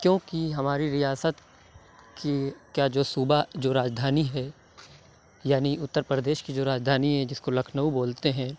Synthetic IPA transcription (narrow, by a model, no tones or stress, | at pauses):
kjõːkiɦɐmaːɾiɾijaːsət̪̚ | kekjad͡ʒoːsuːbad͡ʒoːɾaːd͡ʒd̪ʱaːniɦɛ | jaːniʊt̪ːəɾpɾəd̪eːʃkid͡ʒoːɾaːd͡ʒd̪ʱaːniɦɛ̃d͡ʒɪskolɐkʰnəuboːlt̪eɦɛ̃ː